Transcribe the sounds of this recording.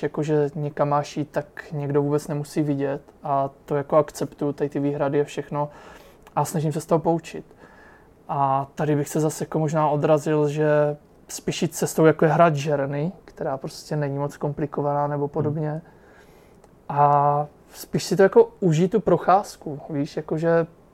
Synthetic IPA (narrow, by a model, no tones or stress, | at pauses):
jako̞ʒɛɲɛkamːaːʃjiːt̪t̪ːakɲɛɡdo̞vuːbɛt͡snɛmusiːvɪɟɛt̪ʔat̪o̞jako̞akt͡sɛpt̪ujut̪at̪ɪviːɦɾadɪafʃɛxno̞ | ʔasnaʒɪmsɛst̪oɦopout͡ʃɪt̪ | ʔat̪adɪbɪxsɛzasjakomo̞ʒnaːʔo̞d̪ɾazɪlʒɛ | spiːʃjiːt̪̚t͡sɛst̪owjakojɛɦɾad̪ʒɛɾnɪkt̪ɛɾaːpɾo̞scɛnɛɲimo̞t͡sko̞mplɪko̞vanaːnɛbo̞po̞do̞bɲɛ | ʔa | spiːʃsɪt̪o̞jako̞ʔuʒiːt̪upɾo̞xaːskuviːʃjako̞ʒɛ